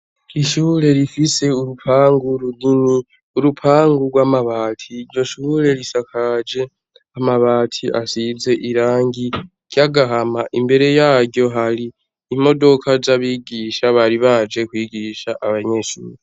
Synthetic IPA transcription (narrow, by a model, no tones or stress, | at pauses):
iʃuːɾe̞ɾifise̞uɾupʰaːŋɡuɾuɡini | uɾupʰaːŋɡuɡwaːmaβaːtʰiɾɟo̞ʃuːɾe̞ɾisakad͡ʒe̞ | amaβaːtʰiʔasize̞ʔiɾaːŋɡi | ɟ̥jaɡaɦamaʔimbe̞ɾe̞jaɟɟo̞ɦaɾiː | mo̞do̞kʰazaβiːɡiːʃaβaɾiβad͡ʒe̞kwiːɡiːʃaʔaβaɲe̞ʃṵːɾi